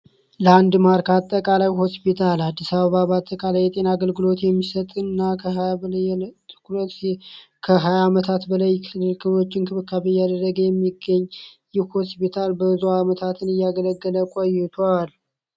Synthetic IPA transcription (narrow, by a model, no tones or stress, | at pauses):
ləand̪maɾkat̪ʼːəkʼalawɦo̞spit̪ʰalad̪ːisaβəβabat̪ʼːəkʼalajːɛt̪ʼe̞naɡəlɡɨlo̞t̪jɛmːisət̪ʼɨnːakʰ | t̪ʰɨ̥klə | kʰəɦajamət̪ʰat̪bəlajkʰɨlːɨlkʰɨlo̞t͡ʃːɪnkʰɨβɨkʰːaβəjːad̪ərːəɡəjɛmːiɡəɲːjɪhho̞spit̪ʰalbəzuamət̪ʰat̪ʰɨnɨjːaɡələɡːələkʷʼojːɪt̪ʰoal